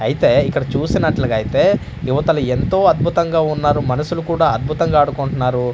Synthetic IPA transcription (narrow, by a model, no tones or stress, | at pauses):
ɐjit̪e̞ːikːɐɽɐt͡ʃuːsinɐʈlɐɡɐjit̪e̞ː | juʋɐt̪ɐlue̞nt̪o̞ːɐd̪̚bʱut̪ɐŋɡaːunːaːɾumɐnɐsulukuːɽaːɐd̪̚bʱut̪ɐŋɡaːɽukuɳʈunːaːɾu